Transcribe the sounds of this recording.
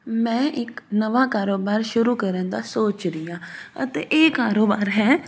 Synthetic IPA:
mɛ̃ːʔɪknəʋaːkaːɾoːbaːɾʃʊɾuːkəɾənd̪aːsoːt͡ʃɾɪjaːə̰t̪ḛːʔeːkaːɾoːbaːɾɦɛː

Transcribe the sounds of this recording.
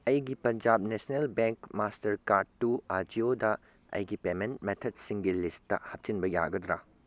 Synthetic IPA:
ɐjɡipɐnd͡ʒab̚nesnelbeŋkmastɐɾkaɾd̚tuad͡ʒiodɐ | ɐ̰jɡipementmetʰɐd̚siŋɡilistːɐ̰hɐp̚t͡ʃinbɐja̰ɡɐd̪ɾa̰

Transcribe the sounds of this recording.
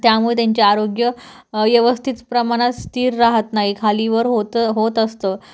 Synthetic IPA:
t̪jamuɭet̪jaɲt͡ɕeaɾoɡjə | ʋjəʋəst̪ʰit̪pɾəmaɽ̃at̪st̪iːɾːaɦət̪naɦikʰaliːʋəɾɦot̪ɦot̪əst̪ə

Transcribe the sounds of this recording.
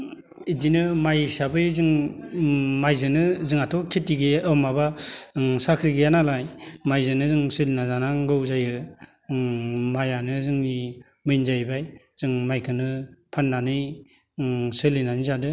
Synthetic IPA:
idinɯmajsabɯjzɯŋ | majzɯnɯzɯŋatʰɔkʰetiɡeɯwmaba | sakʰɾiɡɯjanalajmajzɯnɯzɯŋsɯlinazanaŋɡɯwzajɯ | majanɯzɯŋni | mɯjnzajbajz̥ɯŋmajkʰɯnɯpʰanːanɯj | sɯlinanizadɯ

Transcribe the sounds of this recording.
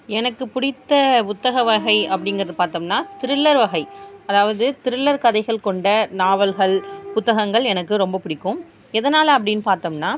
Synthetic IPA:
ɛnɐkːɯpʊɽɪt̪ːɐʊt̪ːɐɣɐʋɐɣɐɪɐpːɐɽɪŋɡɐɾɐðɯpaːɾt̪oːmnaːt̪ɪɾɯɭːɐɾʋɐɣɐɪɐðaːʋɐðɯt̪ɪɾɯɭːɐɾkɐðɐɪɣɐɭkɔɳɖɐnaːʋɐlɣɐɭpʊt̪ːɐɣɐŋɡɐɭɛnɐkːɯɾɔmbɐpʊɽɪkːɯm | ɛðɐnaːlɐp̬ːɐɽɪnːɯpaːɾt̪oːmnaː

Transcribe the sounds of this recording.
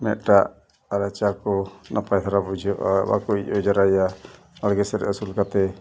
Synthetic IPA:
mɛʔ̪̚ʈaʔ | aɾat͡ʃakɔnapajt̪ʰaɾabud͡ʒɔʔba̰kɔic̚ɔd͡ʒaɾaja | alɡɛsɛɾɛ̰ʔɔsulkat̪ɛ

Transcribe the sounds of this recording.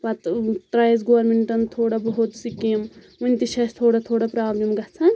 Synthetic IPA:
pɐt̪t̪ɾɐjzɡoːɐɾmeɳʈɐnt̪ʰoːɽabɐɦut̪sikim | ʋɐnt̪iʃɐst̪ʰoːɽɐt̪ʰoːɽɐpɾaːblɐmɡɐt͡sʰɐn

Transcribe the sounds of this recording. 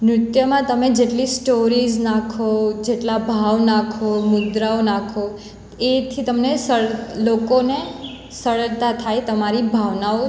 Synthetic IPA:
mɾʊt̪jəmãt̪əmed͡ʒeʈlisʈoɾid͡ʒnakʰod͡ʒeʈlabʱaʋnakʰomʊd̪ɾaonakʰo | et̪ʰit̪əmnesəɽlokone | səɭət̪at̪ʰajt̪əmaɾibʱaʋnao

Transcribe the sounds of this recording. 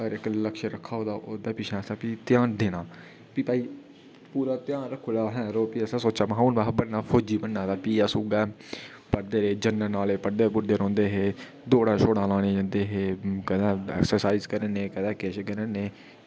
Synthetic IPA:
əɡəɾɪkləkʃɾəkʰːaːoːd̪aːʔoːd̪aːpiʃɛ̃ːsãːpiːt̪ɪjãːnd̪eːnaː | piːpaːiː | puːɾaːt̪ɪjãːnɾəkʰoːlaːɦɛ̃ːɾoːpiəsãːsoːt͡ʃaːməɦauːnbaːɦbəɽnaːpʰoːd͡ʒiːbənːãːd̪aːpiːaːsuːɡaː | pəɾd̪eːɾeːd͡ʒənːənaːleːpəɾd̪eːɡʊɾd̪eːɾɔ̃ːnd̪eːɦeː | d̪oːɽãːʃʰoːɽãːlãːɽ̃ẽːd͡ʒãːnd̪eːɦeːkɛːd̪ɛ̃ːɛ̰ːksəɾsaːizkəɾeːneːkɛd̪ɛ̃ːkɛːʃekəɾeːneː

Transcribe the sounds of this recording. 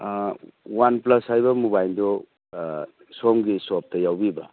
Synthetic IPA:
wanplɐshajbɐmubajldɔ | sɔmɡisɔp̚tɐjawbibɐ

